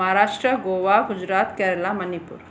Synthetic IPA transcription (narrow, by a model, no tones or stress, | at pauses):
aɾaʂʈɾəɡoʋaɡud͡ʑɾat̪kɛɾlamənipṵːɾ